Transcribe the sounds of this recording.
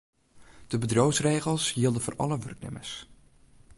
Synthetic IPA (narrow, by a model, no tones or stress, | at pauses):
d̥əbədrowsrejχəlˠsɦiːlˠdənvo̰ːrʔɑ̰ləʋɵ̰rk̚nɪ̰mə̰ɹs